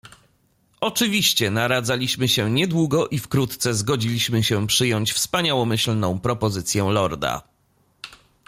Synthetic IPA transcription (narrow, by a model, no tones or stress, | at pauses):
ʔɔt͡ʂɘvʲiɕt͡ɕɛnaɾad̪zalʲiɕmɘɕɛɲɛd̪wuɡɔʔifkɾut̪t̪sɛzɡɔd͡ʑilʲiɕmɘɕɛpʂɘjɔɲt͡ɕfspaɲawɔmɘɕlnɔ̃w̃pɾɔpɔzɘt̪sʲjɛlɔɾd̪a̰